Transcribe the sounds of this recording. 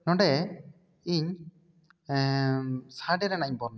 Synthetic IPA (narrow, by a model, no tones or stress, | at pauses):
nɔ̃ɳɖɛ | iɲ | saɖɛɾɛnaɲbɔɾn